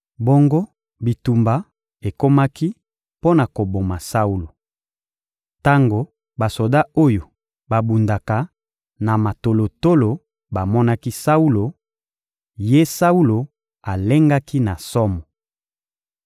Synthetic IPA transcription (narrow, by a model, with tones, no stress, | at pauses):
bo˦ŋɡo˦ | bi˨tu˨mba˨ | e˨ko˦ma˦ki˦ | po˦na˨ko˨bo˨ma˨sa˦u˦lo˨ | ta˦ŋɡo˨ | ba˨so˨da˦o˦jo˨ | ba˨bu˨nda˨ka˨ | na˨ma˨to˨lo˨to˦lo˨ | ba˨mɔ˦na˦ki˦sa˦u˦lo˨ | je˦sa˦u˦lo˨ | a˨le˦ŋɡa˦ki˦na˨sɔ˦mɔ˨